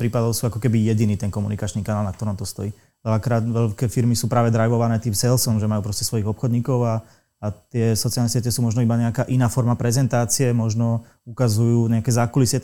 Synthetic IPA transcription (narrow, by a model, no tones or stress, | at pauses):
pɾiːpad̪ɔʊsuːakɔkɛbijɛɟiniːt̪ɛnkɔmṵnikat͡ʃnikanaːlnakt̪ɔɾɔmt̪ɔst̪ɔ̰jiː | ʋɛlakɾaːt̪ʋɛʎkɛːfiɾmisuːpɾaːʋɛd̪ɾajʋɔʋanɛːt̪iːmsɛlsɔmʒɛmajuːpɾɔscɛsʋɔjiɣɔpxɔd̪ɲiːkɔʊaː | t̪ɪɛsɔt͡sialnɛsɪɛcɛsuːmɔʒnɔibaɲɛakaːʔinaːfɔɾmapɾɛzɛnt̪aːt͡siɛmɔʒnɔ | ukazujuːɲɛakɛːzakulisɛ